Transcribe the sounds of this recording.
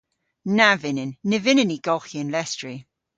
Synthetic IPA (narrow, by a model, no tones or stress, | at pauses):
navɪnɪnːɪvɪnəniɡ̥ɔlxiə̃nlɛstɹi